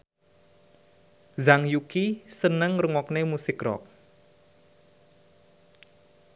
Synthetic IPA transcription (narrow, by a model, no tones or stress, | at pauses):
zaŋjukisənəŋrəŋɔknemusɪkrɔ̰k̚